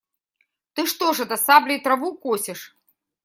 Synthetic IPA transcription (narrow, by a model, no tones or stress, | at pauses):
t̪ɨʂt̪ɔʐɐd̪ɐsablʲijt̪ɾavukɔsʲɛʂ